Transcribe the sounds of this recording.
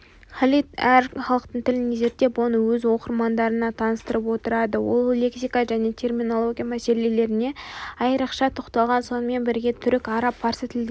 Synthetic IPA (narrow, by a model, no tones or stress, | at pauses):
χɑlˠit̪æɾχɑlˠəq̚t̪əɴt̪ʰɪlɪneze̞ɾt̪e̞pwo̞nəwɵzwo̞qəɾmɑnd̪ɑɾənɑt̪ʰɑnəst̪əɾəpwo̞t̪əɾɑd̪əwo̞̰lˠle̞ksijkaʒæne̞t̪ʲʰe̞rmʲino̞lˠo̞ɡʲijamæse̞le̞le̞ɾɪne̞ɑjəɾəqʃɑt̪ʰoqt̪ɑlˠʁɑnso̞nəme̞nbɪɾɡʲe̞t̪ʰʏɾɪkɑɾɑpʰːɑɾsət̪ʰɪld̪e